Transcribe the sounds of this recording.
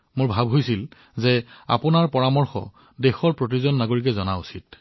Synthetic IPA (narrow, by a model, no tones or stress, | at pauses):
mʊɹbʱabɦojsil | zɛa̰pʊnaɹpɔɹamɔɹxɔ̰ | dexɔɹpɹot̬izɔnːaɡoɹik̬ɛzɔnausit̚